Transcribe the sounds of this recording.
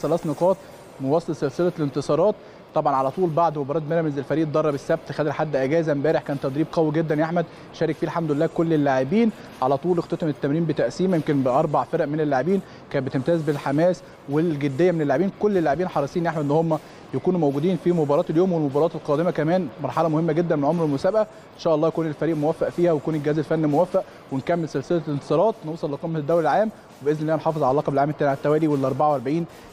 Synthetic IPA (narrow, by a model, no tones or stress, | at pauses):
sælæːsneqɑːt̪̚ˤ | mowɑsˤːelselselælent̪sˤɑːɾˤɑːt̪ | t̪ːɑbʕɑnʕalæt̪ˤuːlbaʕd̪mobɑɾˤɑːt̪̚meɾæmezelfæɾiːʔd̪ɑrˤːɑbesːæb̚t̪xæd̪elħad̪ːʔæɡæːzæmbæːɾeħkæːnt̪ːɑd̪ɾiːb̚qæwiɡed̪ːænjaħmæd̪ | ʃæːɾekfiːelħamd̪ʊelːæːkolːelːaʕebiːn | ʕalæt̪ˤuːlext̪ɑt̪emet̪ːæmɾiːmbet̪æʔsiːmæjemkenbeʔɑɾˤbɑʕfeɾʔmenelːaʕebiːn | kæːnbet̪emt̪æːzbelħamæːs | welɡed̪ːejːæmenelːaʕebiːnkolːelːaʕebiːnħɑɾˤɑsˤiːnʔeħmæʔenːohomːæ | jækuːnumæwɡuːd̪iːnfimobɑɾˤɑːt̪eljoːmwelmobɑɾˤɑːt̪elqɑːd̪emækæmæːnmɑɾˤħɑlæmohemːæɡed̪ːænmenʕomɾelmosæːbʔæ | ʔenʃæːʔɑlːˤɑːjækuːnelfæɾiːʔmowæfːæʔfiːhæwejækuːnelɡehæːzelfænːimowæfːæʔ | wenkæmːelsælselælent̪e̥sˤɑːɾˤɑːt̪newsˤɑlːeqɑmːæd̪ːæwɾelʕaːm | webʔeznelːæːnħɑːfezˤʕalɑːqɑbelʕaːmet̪ːæniʕaæt̪ːæwæːliwelːæʔɑɾˤbaʕawʔɑɾˤbeʕiːn